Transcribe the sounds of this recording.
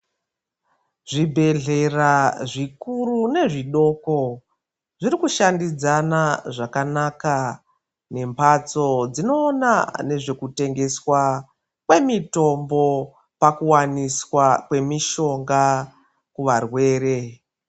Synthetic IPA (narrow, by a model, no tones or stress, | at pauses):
ʐibʱe̞ɮe̞raʐikurune̞ʐiɗo̞ːko | ʐiɾikuʃandid͡zanaʐakanaka | ne̞mpʰat͡so̞d͡zino̞ːnane̞ʐe̞kute̞ŋɡe̞swa | kwe̞mito̞mbo̞ | pakuwaniswakwe̞miʃo̞ŋɡa | kuʋarwe̞ːɾe̞